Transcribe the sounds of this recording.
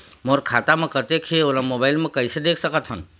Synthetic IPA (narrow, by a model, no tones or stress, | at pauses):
moɾkʰaːt̪amẽkət̪ekʰeolamoːbaːɪlmẽkəɪsed̪eːkʰsəkət̪ɦən